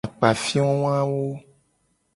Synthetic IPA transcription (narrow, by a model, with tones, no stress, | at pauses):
a˨k͡pa˨fi˦ɔ̃˦w̃ã˦wo˦